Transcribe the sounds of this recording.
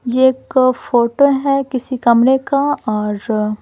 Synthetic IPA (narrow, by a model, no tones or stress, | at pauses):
jeeːkfoːʈoɦɛkɪsikɐmɾekaɔːɾ